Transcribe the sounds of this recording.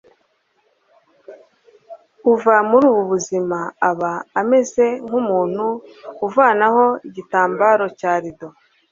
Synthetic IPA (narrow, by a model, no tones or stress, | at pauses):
uvamuɾuːβuβuzimaaβaːme̞ze̞ŋ̥umuːn̥huuvaːnaho̞iɟitaːmbaɾo̞caːɾido̞